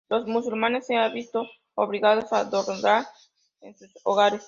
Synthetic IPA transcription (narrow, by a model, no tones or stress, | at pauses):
lo̞smus̬ulmane̞sːeaβist̪o̞ | oβliɣað̞o̞sad̪oɾaɾ | ensusoɣaɾes